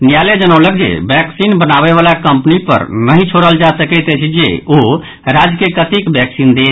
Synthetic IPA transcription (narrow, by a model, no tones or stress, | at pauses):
njaled͡ʒənəwlək̚d͡ʒḛbɛksinbənaβeβalakəmpnipə̰ɾnəɦĩt͡ʃʰoɽəld͡ʒasəkɛt̪et͡ʃʰid͡ʒḛo | ɾad͡ʒkekət̪ikbɛksind̪e